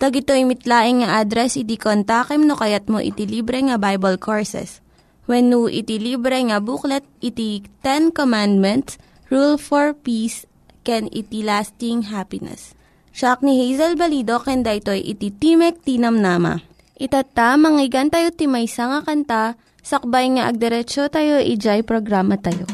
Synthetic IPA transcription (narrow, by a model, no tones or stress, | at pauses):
t̪ɐɡɪt̪ojmɪt̪laːʔɪŋŋɐʔad̪ɾɛsɪt̪̬ikont̪akɛmnokɐjat̪̚mo̰ʔḭt̪iliːbɾɛŋɐbajbɐlkʰoɹsɛ̰s | wɛnːuʔɪ̰t̪iliːbɾɛŋɐbuklɛt̪̚ʔit̪it̪ɛnkomand̪̚mɛnt̪s | ɹulfoɹpis | kɛnɪ̰t̪ilast̪ɪŋɦapɪnɛ̰s | t͡ʃak̚nihejzɐlbɐliːd̪o̞kɛnd̪ɐʔɪt̪o̞jʔɪ̰t̪it̪imɛk̚t̪iːnɐmnaːmɐ̰ | ʔɪt̪at̪ːamɐŋɪɡɐnt̪ɐjot̪ɪmɐjsɐŋɐkɐnt̪a | sɐk̚bajŋaʔɐɡ̚d̪ɛɾɛt͡ʃot̪ajo̞ʔɪd͡ʒajpɾoɡɾaːmɐt̪ɐjo̰